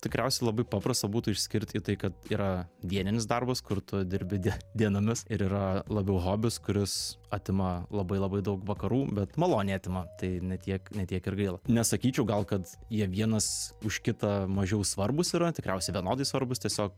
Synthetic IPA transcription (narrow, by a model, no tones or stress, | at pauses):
t̪ʲɪkɾʲæˑʊsʲɛɪlˠɐbɐɪpɑːpɾɐst̪ɐbuːt̪ʊːɪʃʲsʲkʲɪɾʲt̪ʲiːt̪ɐɪkɐt̪iːɾɐd̪ʲiɛnʲɪnʲɪs̬d̪ɐrbɐskʊɾt̪ʊd̪ʲɪɾʲbʲɪd̪ʲd̪ʲiɛnoːmʲɪsɪɾiːɾɐlˠɐbʲɛʊɦoːbʲɪskʊɾʲɪsɐt̪ʲɪmɐlˠɐbɐɪlˠɐbɐɪd̪ɐʊkʋɐkɐɾuːbʲɛt̪mɐlˠoːnʲeːt̪ʲɪmɐt̪ɐɪnʲɛt̪ʲiɛknʲɛt̪ʲiɛkɪɾɡɐɪlˠɐnʲɛsɐkʲiːt͡ʃʲɛʊɡɐlˠkɐt̪ | jiɛʋʲiɛnɐsʊʃʲkʲɪt̪ɐmɐʒʲɛʊsʋɐrbʊsiːɾɐt̪ʲɪkɾʲɛʊsʲɛɪʋʲiɛnoːd̪ɐɪsʋɐɾbʊst̪ʲiɛsʲoːk̚